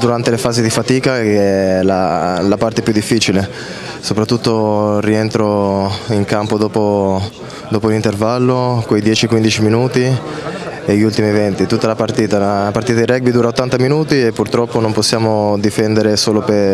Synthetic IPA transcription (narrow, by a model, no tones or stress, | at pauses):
d̪uɾant̪elefaːzid̪ifat̪iːkakeɛlalapart̪eɛpjud̪ifːiːt͡ʃile | sopɾat̪ːut̪ːoriɛnt̪ɾoiŋkampod̪ɔːpo | d̪ɔːpolint̪ervalːokwejd̪jɛːt͡ʃiɛkwind̪it͡ʃiminuːt̪i | eʎːiult̪imievɛnt̪it̪ut̪ːalapart̪iːt̪alapart̪iːt̪ad̪irɛk̚bid̪uːɾaot̪ːant̪aminuːt̪iepːurt̪ɾɔpːonomposːjaːmod̪ifɛnd̪eɾesoːlope